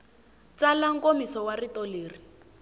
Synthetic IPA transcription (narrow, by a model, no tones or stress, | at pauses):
t͡salaŋ̩komisɔwaritɔleːri